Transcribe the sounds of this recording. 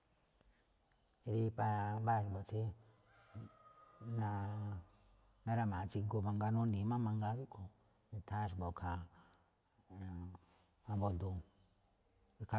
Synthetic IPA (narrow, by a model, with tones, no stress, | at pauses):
ɾi˧pa˧a˧ba˦˧ɾi˧bo˨t͡ʃi˦ | nã˧ | nã˦ɾa˧˨mã˨˧t͡ʃi˧ɡo˧βã˧ŋɡa˧nũ˦nĩ˨˦mã˦mã˧ŋɡa˧˦ði˦kʰo˨ | ĩ˧t̪ʰa˦˧ʐbo˨kʰa˨ | ã˧bo˧nd̪u˧ | i˧ka˧